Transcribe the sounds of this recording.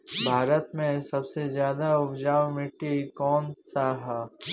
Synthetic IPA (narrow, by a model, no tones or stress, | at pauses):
bʱaːɾət̪mẽsɐbsezjaːd̪aʊbd͡ʒaːwmɪʈːikɔːnsaɦɛ